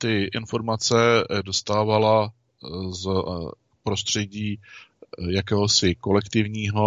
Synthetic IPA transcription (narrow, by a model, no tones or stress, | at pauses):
t̪ɪʔɪnfo̞ɾmat͡sɛdo̞st̪aːvala | z | pɾo̞st̪r̝̥ɛɟiː | jakɛːɦosɪko̞lɛkt̪ɪvɲiːɦo̞